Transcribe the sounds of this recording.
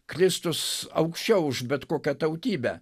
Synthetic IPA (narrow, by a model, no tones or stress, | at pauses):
kɾʲɪst̪ʊsɐ̰ʊkʃʲt͡ʃʲɛʊʊʃbʲɛt̪koːkʲɛt̪ɐʊt̪ʲiːbʲɛ